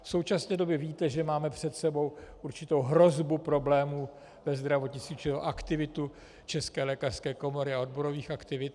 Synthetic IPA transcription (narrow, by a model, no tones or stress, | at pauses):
fso̞wt͡ʃasnɛːdo̞bjɛviːt̪ɛʒɛmaːmɛpr̝̥ɛt̪sɛbo̞wʔuɾt͡ʃɪt̪o̞wɦɾo̞zbupɾo̞blɛːmuː | vɛzd̪ɾavo̞t̪ɲɪt͡st̪viːt͡ʃɪo̰ʔakt̪ɪvɪt̪u | t͡ʃɛskɛːlɛːkar̥skɛːko̞mo̞ɾɪao̞dbo̞ɾo̞viːxakt̪ɪvɪt̪